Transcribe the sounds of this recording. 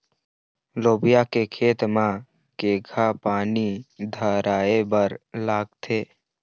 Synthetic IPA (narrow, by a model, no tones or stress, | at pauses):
loːbijakekʰeːt̪ma | keɡʱapaːnid̪ʱəɾaːebəɾlaːɡ̚t̪ʰeː